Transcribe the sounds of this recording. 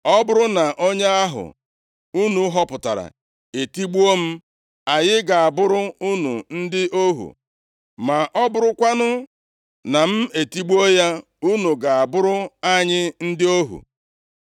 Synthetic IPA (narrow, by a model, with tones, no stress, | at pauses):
ɔ˦bʊ˦ɾʊ˦na˨ʔo˦ɲe˦a˦ɦʊ̰˨ | u˦nu˨˦ɦɔ˦pʊ˨ta̰˨ɾa̰˨ | e˨ti˦ɡ͡bu˦o˦m̩˦ | a˨jɪ˦ɡa˨a˨bʊ˦ɾʊ˦u˦nṵ˨n̩˦dɪ˦ʔo˦ɦṵ˨ | ma˨ʔɔ˦bʊ˦ɾʊ˦kʷa˦nʊ˦ | na˨m̩˦e˨ti˦ɡ͡bo˦ja˦ | u˦nu˨ɡa˨a˨bʊ˦ɾʊ˦a˦ɲɪ˦n̩˦dɪ˦o˦ɦṵ˨